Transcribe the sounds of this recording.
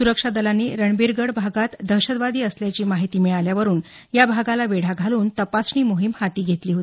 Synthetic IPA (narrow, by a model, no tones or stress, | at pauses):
suɾəkʂad̪əlanːiɾəɳbiɾɡəɽbʱaɡat̪d̪ʱəɕəd̪ʋad̪iːəsljat͡ɕiːmaɦit̪iːmiɭaljaʋəɾuːn | jabʱaɡalaʋeɽ̤aɡʱaluːnt̪əpasɳiːmoɦimhat̪iːɡʱet̪liːɦot̪i